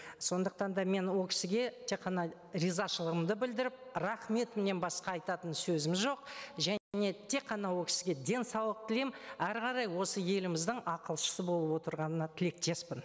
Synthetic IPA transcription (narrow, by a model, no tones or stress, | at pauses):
so̞nd̪əq̚t̪ɑnd̪ɑme̞nwolˠkʲɪ̥sɪɡʲe̞t̪ʰe̞kqːɑnɑ | ɾijzɑʃəlˠəʁəmd̪əbɪld̪ɪɾɪp̚rɑχme̞t̪mɪne̞nbɑsqɑːjt̪ɑt̪ənsɵzɪmɪzʒo̞qʒæne̞t̪ʰe̞k̚qːɑnɑwo̞lˠkʰʲɪ̥sɪɡʲe̞d̪e̞nsɑwlˠəq̚t̪ʰɪle̞mæɾʁɑɾɑjwo̞səje̞lɪmɪzd̪ɪɴɑqəlˠʃə̥səbo̞lˠəpwot̪əɾʁɑnənɑt̪ʰɪle̞k̚t̪e̞spɪn